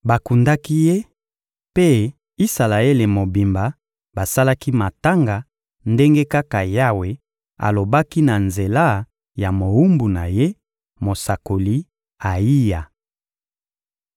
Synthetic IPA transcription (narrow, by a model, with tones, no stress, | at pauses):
ba˨ku˨nda˦ki˦je˦ | pe˦ | i˦sa˨la˨e˦le˨mo˨bi˨mba˨ | ba˨sa˦la˦ki˦ma˨ta˦ŋɡa˨ | nde˦ŋɡe˦ka˦ka˨ja˦we˨ | a̰˨lo˨ba˦ki˦na˨nze˨la˦ | ja˨mo˨wu˦mbu˨na˨je˦ | mo˨sa˨ko˨li˦ | a˨i˦ja˨